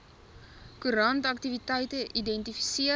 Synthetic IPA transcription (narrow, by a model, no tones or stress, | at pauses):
kuɾɐntɐktivitɛjtəʔidɛntifi̥siə